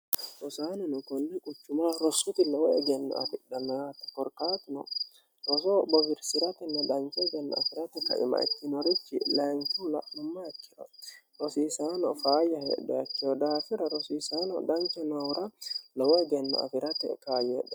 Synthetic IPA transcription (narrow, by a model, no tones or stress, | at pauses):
ʔɔsaːnɛnʊkɔnːɛkʼʊt͡ʃːʊmaːɾɔsʊt̪ɪlɐwɔɛɡɛnːɔ̰ɐ̰fɪɗɐnaːt̪ɛ̥kɔɾkaːt̪ɪnɔ̰ | ɾɔsɔbɔbɪɾsɪɾɐt̪ɛnːɐd̪ɐŋkɛɡɛn̰ːɐfɪɾɐt̪ɛkɐ̰ʔɪ̰mɐ̰ɪ̰t̪ːɪnɔɾɪt͡ʃːɪlaːŋkuːlɐ̰ʔnɔmːaɛkːɪ̥ɾɔ̰ | ɾɔsiːsaːnɔ̰faːjɐɦɛ̰dɛɐkːɪɔd̪aːfɪɾɐɾɔsiːsaːnɔ̰d̪ɐŋkɛnɐwɾɐlɔwɔɛɡɛnːɔ̰ɐ̰fɪɾɐt̪ɛkaːjɛᶑɛ